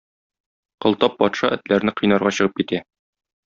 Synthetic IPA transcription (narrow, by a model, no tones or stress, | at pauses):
qɤ̆lˠt̪ɑp̚ːɒt̪ʃɑʔɘ̆t̪læɾnɘqɤ̆jnɑɾʁɑɕɤ̆ʁɤp̚kit̪æ